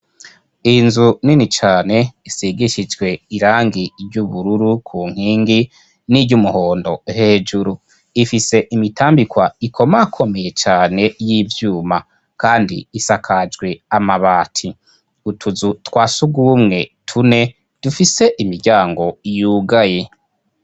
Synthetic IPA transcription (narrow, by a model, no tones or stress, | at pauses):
inzuninit͡ʃaːne̞isiɡiʃid͡ʒɡwe̞iɾaːŋɡiɾɟuβuɾuɾukʰuːŋ̥hiːŋɡi | niɾɟumuho̞ːndo̞heːd͡ʒuɾu | ifise̞ʔimitʰaːmbikwaikʰo̞makʰo̞me̞je̞t͡ʃaːne̞jiːvjuːma | kaːndḭisakʰad͡ʒɡwe̞amaβaːtʰi | utʰuzutwaːsuɡuːmŋe̞tʰune̞ | d̥ufise̞ʔimiɾɟaːŋɡo̞ijuːɡaje